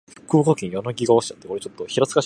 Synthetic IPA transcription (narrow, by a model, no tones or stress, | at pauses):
kɯ̟ːkokʲẽɰ̃jonoɡʲiɡaoɕi̥t͡ɕat̪ːeoɾet͡ɕot̪ːo̞çiɾat͡ssɨ̥kaɕ